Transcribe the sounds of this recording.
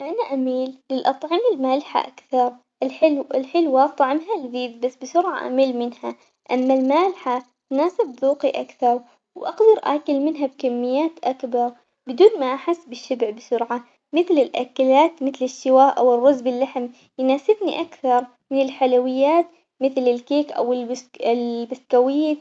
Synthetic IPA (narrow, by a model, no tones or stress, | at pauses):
ʔanaʔamiːlːɪlʔɑt̪ˤʕɪmɪlmaːlħa̰ʔakθɑɾˤ | ʔɪħɪɪlħɪlwaʔt̪ˤːʕɪmɦalðiːd̪basːbɪsʊɾʕa̰ʔa̰miːlmɪnha | ʔamːalmaːlħa | t̪naːsɪbðuːqiʔakθɑɾˤ | wʔɑqd̪ɑɾˤʔa̰ːkɪlmɪnɦab̚kamːɪjːaːt̪ʔakbɑɾˤ | bɪd̪uːnmaʔaħɪsːbɪʃːabʕbɪsʊɾʕa | mɪθlɪlʔakalaːt̪mɪθlɪʃːɪwaːʔʔawɪrˤːʊzbɪlːaħm | jnaːsɪbniʔakθɑɾˤ | mɪnɪlħalawɪjːaːt̪ | mɪθlɪlkeːkʔa̰wɪlɪlbaskawɪjː